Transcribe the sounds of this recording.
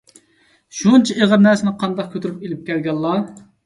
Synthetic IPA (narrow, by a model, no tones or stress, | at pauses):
ʃunt͡ʃʰɛeʁəɾnæɾsɪnɪqʰɑnd̪ɑq̚kʲʰøt̪ʰyɾypelɪp̚kʲʰɛlɡʲɛlˠːɑ